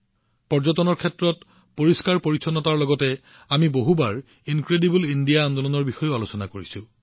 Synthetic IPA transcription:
pɔɹzɔtɔnɔɹkʰɛtɹɔt | poɹiskaɹpoɹisʰɔnɔtaɹlɔɡɔtɛ | amiboɦubaɹ | inkɹedibulindijaːndolɔnɔɹbixɔjʊalosɔnakoɹisʊ̃

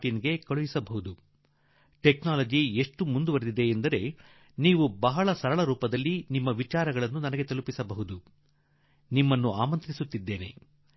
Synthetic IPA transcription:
ʈiniɡe̞kɐɭujisɐbɐɦud̪u | ʈeknaːlɐd͡ʒieʂʈumund̪uʋɐɾed̪id̪e̞ːnd̪ɐɾe̞ | niːʋubɐɦɐɭɐsɐɾɐɭɐɾuːpɐd̪ɐlːinimːɐʋit͡ʃaːɾɐɡɐɭɐnːunɐnɐɡe̞t̪ɐlupisɐbɐɦud̪u | nimːɐnːuaːmɐnt̪ɾisut̪ːid̪ːe̞ːne̞̰

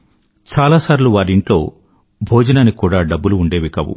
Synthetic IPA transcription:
t͡ʃaːlaːsaːɾuluʋaːɾiɳʈlo̞̰ː | bʱoːd͡ʒɐnaːnikuːɽaːɖɐbːuluːɳɖe̞ːʋikɐʋṵ

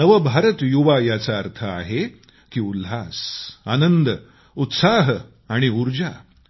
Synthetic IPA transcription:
nəʋəbʱaɾət̪juʋajat͡saəɾt̪ʰəa̰ɦe | kiːulɦasanənd̪ə | ut̪saɦ | aɽ̃iuɾd͡ʑa

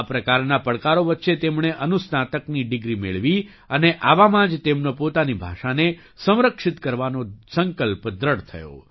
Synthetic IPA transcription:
pɾəkaɾnapəɽkaɾoʋətːʃet̪emɳeʔənusnat̪əkniɖɪɡɾimeɭʋi | əneʔaʋamãd͡ʒt̪emnopot̪anibʱa̰ʃane | sə̃w̃ɾəkʂɪt̪kəɾʋanosəŋkəlpd̪ɾəɽt̪ʰə̰jo̰

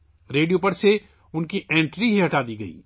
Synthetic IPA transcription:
ɾeːɖijopɐɾse | ʊnkiʔẽːɳʈɾiɦiɦɐʈaːd̪iɡɐḭː

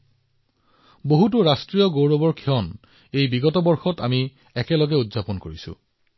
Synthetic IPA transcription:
boɦutʊɹastɹijɔɡowɹɔbɔɹkʰiɔn | ejbiɡɔtɔbɔɹxɔtami | ɛkɛlɔɡɛudzapɔnkoɹisʊ̰

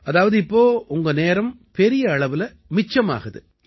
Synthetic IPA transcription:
ɐðaːʋɐðɯɪpːoːʊŋɡɐneːɾɐm | pɛɾɪjɐɐɭɐʋɪlɐ | mɪt͡ʃːɐma̰ːɣɐðɯ

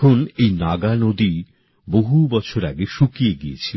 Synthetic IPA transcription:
onejnaɡanod̪i | boɦubɔt͡ɕʰoɾa̰ɡeʃukieɡiet͡ɕʰil

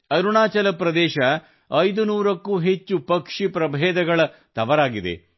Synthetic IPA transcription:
ɐɾuɳaːt͡ʃɐlɐpɾɐd̪ɛːʃɐ | ɐjd̪unuːɾɐkːuːɦet͡ʃːupɐkʂipɾɐbʱɛːd̪ɐɡɐɭɐt̪ɐʋɐɾaːɡid̪ḛ

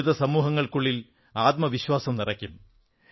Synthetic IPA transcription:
uðɐsɐmuːɦɐŋːɐɭkuɭːil | aːt̪̚mɐʋiɕwaːsɐmnirɐkʲːum

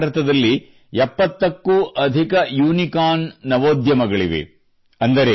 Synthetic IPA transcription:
ɾɐt̪ɐd̪ɐlːi | jɛpːɐt̪ːɐkːuʔɐd̪ʱikɐjuːnikaːnːɐʋoːd̪jɐmɐɡɐɭiʋḛ | ɐnd̪ɐɾe

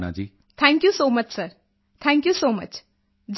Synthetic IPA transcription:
na̰d͡ʒiː | t̪ʰɛ̃ŋkjusoːmɐt͡ʃsəɾ | t̪ʰɛ̃ŋkjusoːmɐt͡ʃ | d͡ʒ

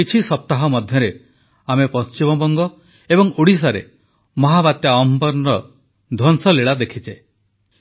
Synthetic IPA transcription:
it͡ʃʰisɔp̚t̪aɦɔmɔd̪ʱjɔɾe | amepɔst͡ʃimɔbɔŋɡɔ | ebɔŋuɽis̬aɾḛ | mɔɦabat̪jaɔmpɔɾnɾɔ | d̪ʱɔnsɔleɭad̪ekʰit͡ʃe

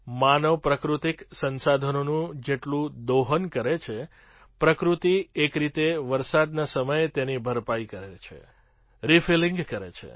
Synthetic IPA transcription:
manəʋpɾəkɾut̪iksənsad̪ʱənonũd͡ʒeʈlũd̪oɦənkəɾet͡ʃʰe | pɾəkɾut̪iekɾit̪eʋəɾsad̪nasəməjt̪enibʱəɾpaikəɾet͡ʃʰḛ | ɾifilĩŋɡkəɾḛt͡ʃʰḛ

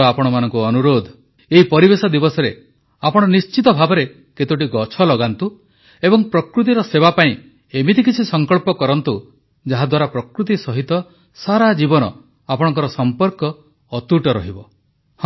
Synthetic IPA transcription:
ɔapɔɽ̃ɔmanɔ̃ŋkuɔnuɾod̪ʱ | eɦipɔɾibesɔd̪ibɔsɔɾe | apɔɽ̃ɔnist͡ʃit̪ɔbʱabɔɾe | ket̪oʈ̬iɡɔt͡ʃʰɔlɔɡant̪u | ebɔŋpɾɔkɾut̪̬iɾɔsebapaĩ | emit̪ikit͡ʃʰisɔŋkɔɭpɔkɔɾɔnt̪u | d͡ʒaɦad̪waɾapɾɔkɾut̪isɔɦit̪ɔ | saɾad͡ʒibɔnɔ | apɔɽ̃ɔŋk̬ɔɾɔsɔmpɔɾkɔː | t̪uʈɔɾɔ̰ɦibɔ | h

